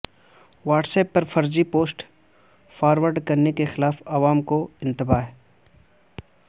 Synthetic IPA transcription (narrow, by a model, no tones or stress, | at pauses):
ʋaːʈsɛːpːɐɾfɐɾd͡ʒipoːsʈ | faːɾʋəɾɖkɐɾnekexɪlaːfɐʋaːmkoɪ̃nt̪ɪbaːɦɛ